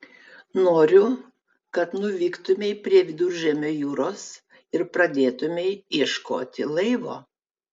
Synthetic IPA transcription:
noːɾʲʊ | kɐt̪nʊʋʲiːkt̪ʊmʲɛɪpʲɾʲiɛʋʲɪd̪ʊɾʲʒʲɛmʲoːjuːɾoːs | ɪɾpɾɐd̪ʲeːt̪ʊmʲɛɪjɛʃko̰ːt̪ʲɪlˠɐɪʋo̰ː

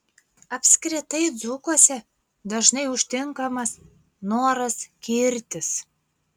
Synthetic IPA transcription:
ɐpʲsʲkʲɾʲɪt̪ɐɪd̪zʊkoɔsʲɛ | d̪ɐʒnɐɪʊʃʲt̪ʲɪŋkɐmɐs | noːɾɐskʲɪɾʲt̪ʲɪs

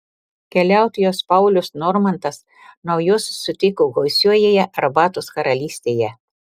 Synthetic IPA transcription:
kʲɛlʲæˑʊt̪ʲjoːspɐʊlʲʊsnɔɾmɐnt̪ɐs | nɐʊjʊsːʊt̪ʲɪkoːɡɐʊsʲuɔjeːjɛʔɐɾbɑːt̪ʊskɐɾɐlʲiːsʲt̪ʲeːjɛ

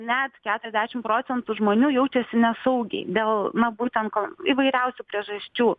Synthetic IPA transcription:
nʲɛt̪kʲæːt̪ʊɾʲɛzʲdʲæːʃʲɪmpɾoːt͡ssʲɛnt̪uʒmoːnʲuːjɛʊt͡ʃʲɛsʲɪnʲɛsɐʊɡʲɛ̰ɪd̪ʲeːlˠnɐbuːt̪ʲɛnt̪̚koiːʋɐɪɾʲɛʊsʲuːpʲɾʲiɛʒɐsʲt͡ʃʲuː

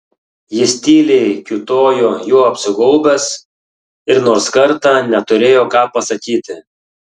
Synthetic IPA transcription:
jɪsʲt̪ʲiːlʲɛɪkʲʊt̪oːjoːjoːɐpʲsʲɪɡɔlˠbʲɛs | ɪɾnoːɾskɐɾt̪ɑːnʲɛt̪ʊɾʲeːjoːkɑːpɐsɐkʲiːt̪ʲɪ

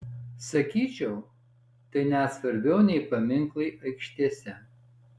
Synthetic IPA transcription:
sɐkʲiːt͡ʃʲɛʊ | t̪ɐɪnʲɛsʋɐɾʲbʲɛʊnʲɛɪpɐmʲɪŋklˠɐɪʔɐɪkʃʲt̪ʲiɛsʲɛ

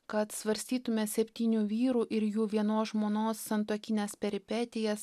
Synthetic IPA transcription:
kɐt̪sʋɐɾʲsʲt̪ʲiːt̪ʊmʲɛsʲɛpʲt̪ʲiːnʲuːʋʲiːɾuːʔɪɾjuːʋʲiɛnoːsʒmoːnoːsːɐnt̪uːkʲɪnʲeːspʲɛɾʲɪpʲɛːt̪ʲɪjɛs

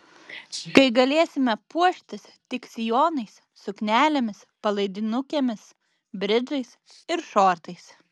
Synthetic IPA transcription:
kɐɪɡɐlʲeːsʲɪmʲɛpuɔʃʲt̪ʲɪst̪ʲɪksʲɪjoːnɐɪs | sʊknʲæːlʲemʲɪs | pɐlˠɐɪd̪ʲɪnʊkʲeːmʲɪs | bʲɾʲɪd͡ʒɐɪs | ɪɾʃoːɾt̪ɐɪs

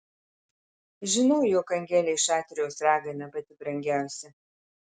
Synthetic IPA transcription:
ʒʲɪnɐʊjoːkɐŋʲɡʲɛlʲɛɪʃɑːt̪ʲɾʲɪjɛʊsɾɑːɡɐnʲɐbɐt̪ʲɪbɾɐŋʲɡʲæˑʊsʲɛ

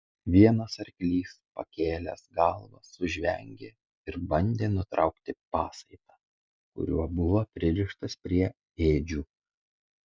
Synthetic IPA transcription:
ʋʲiɛnɐsɐɾʲkʲlʲiːspɐ̰kʲeːlʲɛ̰sɡɑlˠʋɐ̰sːʊʒʲʋʲɛ̰ŋʲɡʲeː | ɪɾbɐnʲd̪ʲeːnʊt̪ɾɑʊkt̪ʲɪpɑːsɐɪt̪ɑː | kʊ̰ɾʲuɔbʊʋɐpʲɾʲɪɾʲɪʃt̪ɐspʲɾʲiɛ | eːd͡ʒʲuː

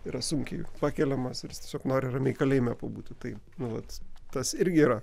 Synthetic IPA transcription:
iːɾɐsʊŋʲkʲɛɪpɑːkʲɛlʲɛmɐsɾʲjɪst̪ʲiɛsʲoːknoːɾʲɪrɐmʲɛɪkɐlʲeɪmʲɛpoːbuːt̪ʲɪt̪ɐɪnʊʋɐt̪t̪ɐsɪɾʲɡʲɪiɾɐ

